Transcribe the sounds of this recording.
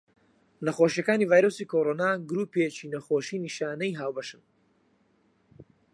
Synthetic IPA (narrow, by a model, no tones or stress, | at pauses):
nɐχoːʃijɐkaːniːvaːjɾosiːkʰoːɾoːnaːɡɾuːpet͡ʃiːnɐxoːʃiːniʃaːnɐjɦaːwbɐʃɨn